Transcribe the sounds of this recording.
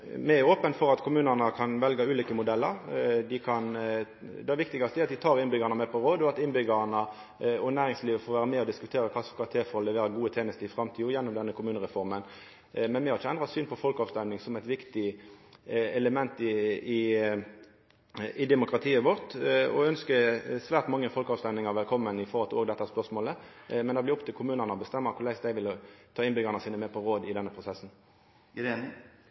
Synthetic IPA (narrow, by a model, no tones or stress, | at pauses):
mɛæɾoːpənfɔɾɑt̪kʰʊmʉːnənəkʰɑnʋɛlɡəʉːliːkəmʊd̪ɛlːəɾd̪ɪkʰɑn | d̪ɛʋɪkt̪ɪɡɑst̪əɛɾɑt̪d̪ɪt̪ʰɑːʁɪnbʏɡɑnəmɛpʰɔʁoːd̪əɔɑt̪ɪnbʏɡəʁnə | ɔnæːɾɪŋsliːʋəfoːɾʋæːʁəmɛɔd̪ɪskʉt̪ʰeːɾəkʰɑsfkʰɑt̪ʰeːfɔɔlɛʋeːɾəɡuːət̪ʰɛnəst̪ɪɪfɾɑmt̪ʰiːɔjɛnːɔmd̪ɛnːəkʰʊmʉːnəʁɛfɔʁmən | mɛnmɛhɑɾɪçəɛnd̪ʁɑt̪syːnpʰɔfɔlkɑːʋst̪ɛmnɪŋsɔmɛɪt̪ʋɪkt̪ɪ | ɛləmɛnt̪ɪɪ | ɪd̪ɛmʊkɾɑt̪ʰiːəʋɔʁt̪ɔ̰œnskəsʋæːʁt̪mɑŋːəfɔlkəɑːʋst̪ɛmnɪŋɑʁʋɛlkʰɔmːənɪfɔʁhɔlt̪ɪloːɡd̪ɛt̪ːəæɾspœʁsmoːləmɛnd̪ɑblɪɔpt̪ʰɪlkʰʊmʉːnənəɔbəst̪ɛmːəʁkʰʊʁlæɪsd̪æɪʋɪlt̪ʰɑːɪnbʏɡɑnəsiːnəmɛpʰɔʁoːd̪ɪd̪ɛnːəpʰʁʊsɛsn̩